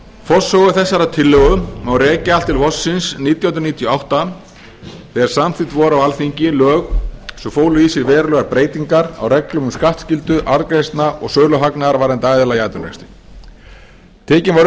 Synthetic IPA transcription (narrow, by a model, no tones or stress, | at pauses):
fɔsɔɣʏθɛsːaɾat̪ʰɪlːœɣʏmawrɛːcɪalt̪ːɪlvɔsːɪnsniːt̪jahnɾniːt̪ʰjɔawht̪a | θɛɾ̥samθit̪vɔːɾawalθfiɲcɪlœːɣsɔfoːwlʏisɪɾvɛːɾalœɣaɾpɾeːjt̪iŋkaɾa̰wɾɛklʏnʏmskaht̪scɪlt̪ʏʔaɾkɾejst̪naʔɔɣsœːlœɦaknaaɾvaːɾɛnt̪aːjðɛlajajt̪ʏnɛ̰st̪ɪ̥ | t̪ʰɛːcɪnvɔɾ